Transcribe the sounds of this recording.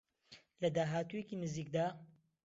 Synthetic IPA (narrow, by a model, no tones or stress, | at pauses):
lɐd̪aːɦaːt̪ujekiːnɨziːk̚d̪aː